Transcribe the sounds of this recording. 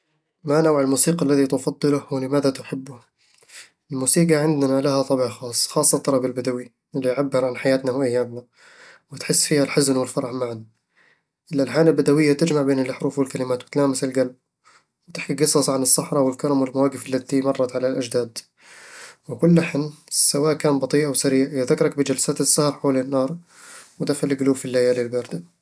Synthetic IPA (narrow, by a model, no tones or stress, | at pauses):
manawʕalmuːsiːqalːaðit̪ʊfɑd̪ˤːɨlʊhwɪlɪmaːðat̪ʊħɪbːʊ | ʔɪlmuːsiːqɑʕɪnd̪nalahat̪ˤɑbiʕxɑːsˤːxɑːsˤːɑlt̪ːˤɑɾɑbɪlbad̪awi | ʔɪlːiʕabːɪɾˤʕanħajaːt̪nahʔajːaːmna | wɪt̪ħɪsːfiːhalħʊznwɪlfɑɾˤɑʕmaʕan | ʔɪlʔalħaːlalbad̪awɪjːat̪ɪd͡ʒmaʕbeːnɪlʔaħɾuːfwɪlkalɪmaːt̪wɪt̪laːmɪsɪlɡalb̚ | wt̪ɪħkiɡɨsˤɑsˤʕanɨsˤːɑħɾˤɑwɪlkɑɾˤɑmwɪlmawaːɡɪfalːat̪imɑrˤːɑt̪ʕalalʔad͡ʒd̪aːd̪ | wɪkʊlːaħɪnːsawaːʔkaːnbɑt̪ˤiːʔawsaɾiːʕjɪðakːɑɾˤɑk̚bɪd͡ʒalsaːt̪ɪsːahɑɾˤħoːlɪnːɑːɾˤ | wɪd̪axalɪɡʊluːfilːajalɪlbɑːɾˤd̪a